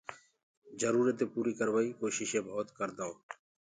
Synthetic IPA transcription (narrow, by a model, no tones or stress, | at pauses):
d͡ʒəɾuːɾət̪eːpuːɾiːkəɾʋaːiːkoːʃɪʃẽːbʱoːt̪kəɾd̪aoː